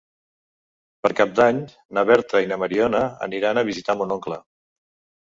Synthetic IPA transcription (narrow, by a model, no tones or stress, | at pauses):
pəɾkap̚d̪aɲ | naβɛɾt̪ɾəinəməɾiɔnəə̰niɾanəβ̞izit̪amunɔŋklə